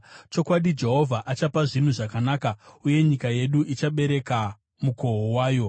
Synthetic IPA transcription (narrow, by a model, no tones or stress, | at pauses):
t͡ʃo̞kwaɗid͡ʒe̞ɦo̞vʱaʔat͡ʃapaʐin̤uʐakanaːkauje̞ɲikaje̞ɗuʔit͡ʃaɓe̞ɾe̞ka | muko̞ɦowaːjo̞